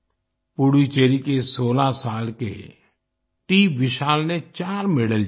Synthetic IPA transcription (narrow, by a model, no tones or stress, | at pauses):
puɽit͡ʃeːɾikesoːlasaːlkḛ | ʈiːʋɪʃaːlnet͡ʃaːɾmɪɽəl